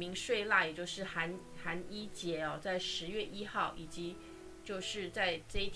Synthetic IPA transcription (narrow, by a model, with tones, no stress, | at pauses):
mi˧˥ŋʂwe˥˧ɪla˥˩jɛ˨˩t͡ɕjo˥˧ʊʂɻ̩˥˩xa˧˥n | xa˧˥ni˥t͡ɕjɛ˧˥ɔ˥˧t͡sa˥˩ɪʂɻ̩˧˥ɥɛ˥˧ʔi˥xɑ˥˩ʊʔi˨˩t͡ɕi˧˥ | t͡ɕjo˥˧ʊʂɻ̩˥˧t͡sa˥˧ɪʈ͡ʂɤ˥˧i˥˩